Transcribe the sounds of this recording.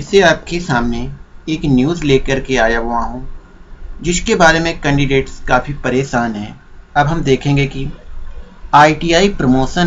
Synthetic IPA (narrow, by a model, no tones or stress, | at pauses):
seaːp̚kesaːmneeːknjuːzleːkəɾkeaːjaʋoaːɦũ | d͡ʒɪskebaːɾemẽkɛ̃ːɳɖɪɖeːʈskaːfipɐɾeːʃaːnɦɛ̃ː | ɐbɦɐmd̪eːkʰẽːŋɡeki | aːiʈijaːipɾɐmoːʃən